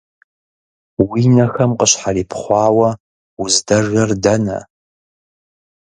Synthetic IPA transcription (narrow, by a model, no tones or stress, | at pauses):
wiːnɐxɐmqəɕħariːpʰχʷɑːwɐ | ʊzdɐʒɐrdɐnɐ̰